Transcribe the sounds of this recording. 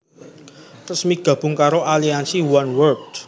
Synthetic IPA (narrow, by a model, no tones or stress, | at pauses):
rəsmiɡ̥ä̤b̥ʊ̤ŋkaɾoʔaliansiwanwərd̥